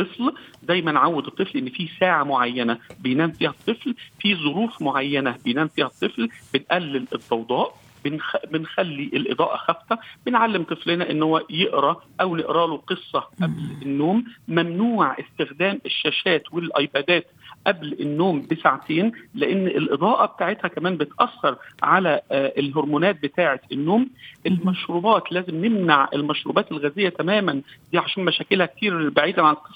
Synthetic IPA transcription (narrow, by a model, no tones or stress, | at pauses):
ɨflzæjːmænʕawːed̪ɨt̪ˤːɨflʔenːfiːsaːʕamoʕajːænæbejnæːmfiːhæt̪ˤːɨflfizˤoɾuːfmoʕajːænæbejnæːmfiːhæt̪ˤːɨflb̥ɪnʔælːɪlɪd̪ˤːɑwd̪ˤɑːʔ | bnbɪnxælːiʔelʔḛd̪ˤɑ̰ːʔɑ̰xæft̪æb̥enʕalːemt̪ˤɨflɪnæʔɪnːhowːæjeʔɾɑʔæwnɪʔɾɑːloqɨsˤːɑʔæblenːoːmːæmnuːʕʔest̪ɪxd̪æːmeʃːæːʃæːt̪welʔɑjbæːd̪æːt̪ʔæblenːoːmbesaʕt̪ʰeːnleʔenːʔelʔed̪ˤɑːʔɑbet̪aːʕet̪hækæmæːmbet̪ʔɑsːɑɾˤʕalæʔlɦoɾmuːnæːt̪̚bet̪aːʕet̪enːoːmʔelmɑʃɾuːbɑːt̪læːzemnemnaʕʔḛlmæʃɾṵːbɑːt̪elɣæːzɪjːæt̪æmæːmænd̪iːʕaʃæːnmæʃæːkelhæk̚t̪iːɾbaʕiːd̪æʕanlqesˤɑ